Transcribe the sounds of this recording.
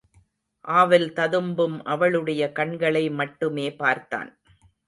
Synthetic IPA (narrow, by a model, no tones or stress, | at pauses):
ʔaːʋɪlt̪ɐðɯmbɯmʔɐʋɐɭɯɽɐjɐkɐɳɡɐɭɐɪmɐʈːɯmeːpaːɾt̪ːa̰ːn